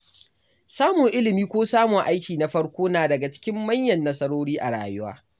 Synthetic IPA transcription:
saː˦mʊ˨ŋʔɪ˦lɪ˨miː˦kʷoː˦saː˦mʊ˨ŋʔa˦jkʲiː˨na˦ɸɐ˦ɽkʷoː˦naː˨dɐ˨ɡa˨t͡ʃɪ̥˦kʲɪ˦mːɐ˦ɲjɐ˨nːɐ˦sɐ˦ɽoː˦ɽiː˦ʔa˨ɽa̰ː˨jʊ˦wa̰ː˦

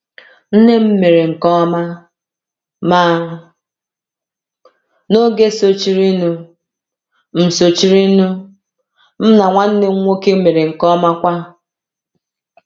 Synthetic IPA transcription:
n̩˦ne˦m̩˦me˨ɾe˨ŋ̩˨kɔ˦ma˦ | ma˦ | no˦ɡe˦so˦t͡ʃi˦ɾi˦nu˦ | m̩˨so˨t͡ʃi˦ɾi˦nu˦ | m̩˦na˨ŋʷa˦n̩˦ne˦ŋʷ˦o˦ke˦m̩˦me˨ɾe˨ŋ̩˨kɔ˦ma˦kʷa˦

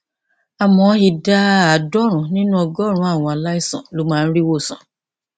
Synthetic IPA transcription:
a˨mɔ̃˨˦hi˧da˦a˨dɔ˦ɾ̃ũ˨nĩ˦nũ˦ɔ˧ɡɔ˦˨ɾ̃ũ˨˦a˦˨w̃ɔ̃˧a˨la˦i˦˨sɔ̰̃˨lo˨˦mãː˦˧n̩˦ɾi˦wo˦˨sɔ̃˨

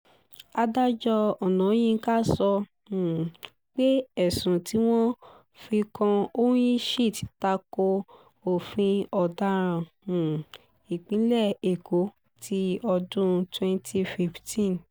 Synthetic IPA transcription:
a˧da˦d͡ʒɔ˧ɔ˨nã˨˦j̃ĩ˦˧˦ka˦sɔ̃˧˨ | k͡pe˦ɛ˦˨sũ˨tʰi˨˦w̃ɔ̃˦ | fi˧kã˧o˦jĩ˦ʃi˦˨ti̥˨˧˦ta˧ko˧ | o˨fĩ˧ɔ˨da˧ɾ̃ã˧˨ | i˨k͡pĩ˨˦lɛ˦˨e˨ko˨˦ | tʰi˧ɔ˧dũ˦twɛ̃˧ntʰi˧fi˦˧ftʰĩ˦˨n

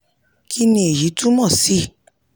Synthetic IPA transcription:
kʰi˦nĩ˧e˨ji˨˦tũ˦mɔ̃˦˨si˦

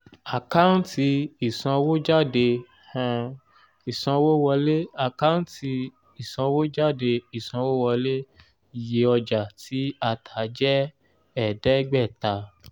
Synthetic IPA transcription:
a˨ka˦n̩˦ti˧i˨sɔ̃˧wo˦d͡ʒa˦˨de˧ | hã˧ | i˨sɔ̃˧wo˦wɔ˧le˦a˦˨ka˦n̩˦ti˧ | i˨sɔ̃˧wo˦d͡ʒa˦˨de˧i˦˨sɔ̃˧wo˦wɔ˧le˦˨ | je˧˦ɔ˧d͡ʒa˨ti˨˦a˧˨tʰa˨˦d͡ʒɛ˦ | ɛ˦˨dɛ˨˦ɡ͡bɛ˦˨ta˨˧

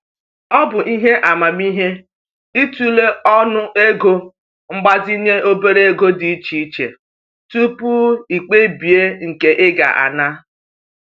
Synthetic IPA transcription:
ɔ˦bʊ˨ʔi˦ɦe˦ʔa˨ma˨mi˦ɦe˦ | i˦tu˦le˦ɔ˦nʊ˦e˦ɡo˦ | ŋ͡m̩˦ɡ͡ba˦zi˦ɲe˦ʔo˦be˦ɾe˦e˦ɡo˦di˨i˦t͡ʃi˨˦t͡ʃḛ˨ | tu˦pu˦i˨k͡pe˦bi˨e˦ŋ̩˨ke˨ʔɪ˦ɡa̰˨ʔa̰˨na˦

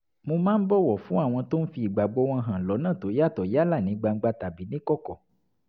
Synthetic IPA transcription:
mõ˧mãː˦n̩˦bɔ˦wɔ˨fũ˦a˦˨w̃ɔ̃˧to˦n̩˦fi˧i˨ɡ͡ba˨ɡ͡bo˨˦w̃ɔ̃˧ɦã˨lɔ˨˦nãː˦˨to˨˦ja˦˨tɔ˨ja˦la˦˨nĩ˨˦ɡ͡ba˧ŋ̩˦ɡ͡ba˧ta˨bi˨˦nĩ˦kɔ˦kɔ˨

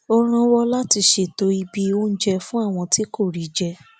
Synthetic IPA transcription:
o˧ɾ̃ã˧wɔ˧la˦ti˧ʃe˨to˧˦i˧bi˧o˦n̩˦d͡ʒɛ˧fũ˦a˦˨w̃ɔ̃˧ti˦ko˦˨ɾi˨˦d͡ʒɛ˧

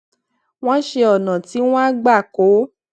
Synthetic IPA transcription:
w̃ɔ̃˦ʃe˧ɔ˨nã˨ti˨˦w̃ɔ̃˦a˦ɡ͡ba˦˨ko˨˦

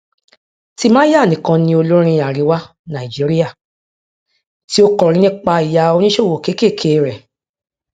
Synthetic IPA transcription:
ti˦mãː˦ja˦˨nĩ˨˦kã˧nĩ˧˦o˧lo˦ɾ̃ĩ˧a˨ɾi˨˦wa˦ | nã˨i˨d͡ʒi˨˦ɾi˦ja˦˨ | ti˦o˦kɔ˨ɾ̃ĩ˨˦nĩ˦k͡pa˧i˨ja˧o˧˦nĩ˦ʃo˦˨wo˨ke˨˦ke˦˨kʰe˨˦˨ɾɛ˨

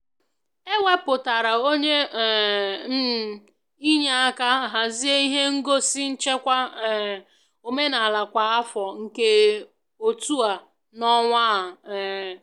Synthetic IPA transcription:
e˦we˦pʊ˨ta˨ɾa˨o˦ɲe˦˨˦ | i˦ɲa˨a˦ka˦ɦa˨zi˦e˦i˦ɦe˦ŋ̩˦ɡo˦si˦n̩˦t͡ʃe˦kʷa˦˨ | o˨me˦na˨la˨kʷa˨a˦fɔ˨ŋ̩˨ke˦ | o˨tu˦a˨ | nɔ˦ŋʷa˦ɦa˨

